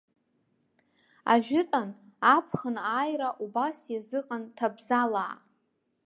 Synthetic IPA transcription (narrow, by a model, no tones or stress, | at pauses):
a̰ʒᶣɪtʼanapʰχənaːjraʔubasjazɨqʼantʰabzalaː